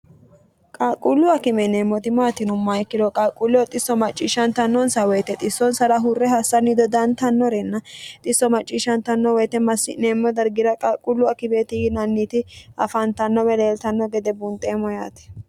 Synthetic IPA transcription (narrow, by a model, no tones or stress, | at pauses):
kʼakʼʊlːʊɐkɪmɛneːmːɔt̪ɪmat̪ɪnʊmːɐjkːɪd̪ɔkʼaːkʼːʊlːʊwt̪ʼɪsːɔmɐt͡ʃʼːiːʃɐnt̪ɐnːɔnsɐwɛjt̪ɛt̪ʼɪsːɔnsɐɾɐɦʊrːɛɦɐsːɐnːɪd̪ɔd̪ɐnt̪ɐnːɔɾɛnːɐt̪ʼɪsːɔmɐt͡ʃʼːiːʃɐnt̪ɐnːɔwɛjt̪ɛmɐsːɪneːmːɔd̪ɐɾɡɪɾɐkʼakʼːʊlːʊɐkɪbeːt̪ɪɡnɐnːiːt̪ɪɐfɐnt̪ɐnːɔwɛleːlt̪ɐnːɔɡɛd̪ɛbʊnt̪ʼeːmɔja̰ːt̪ɛ̥